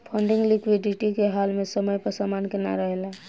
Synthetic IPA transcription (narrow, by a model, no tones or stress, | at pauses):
pʰə̃ɳɖɪ̃ŋɡlɪkwiɖɪʈikeɦaːlmẽsəməjpəɾsamaːnkena̰ɾəɦela